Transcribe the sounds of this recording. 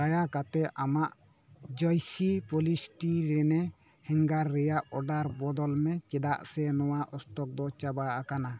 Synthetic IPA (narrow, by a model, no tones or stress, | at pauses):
ajakat̪ɛʔamaʔ | d͡ʒɔjsipɔlisʈiɾɛnɛ | hɛŋɡaɾːɛjaʔɔɖaɾbɔd̪ɔlmɛt͡ʃɛd̪aʔsɛnɔwaʔɔst̪ɔk̚d̪ɔt͡ʃabaakana